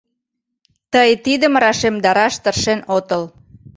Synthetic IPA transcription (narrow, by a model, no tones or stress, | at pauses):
t̪əjt̪id̪əmrɑʃemd̪ɑɾɑʃt̪ərʃenot̪əl